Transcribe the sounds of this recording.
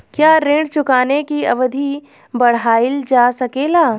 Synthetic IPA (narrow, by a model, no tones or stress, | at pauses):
kjaːɾẽːɖt͡ʃʊkaːnekiɐ̰ʋəd̪ʱi | bɐɽ̤aːɪld͡ʒaːsɐkeːlaː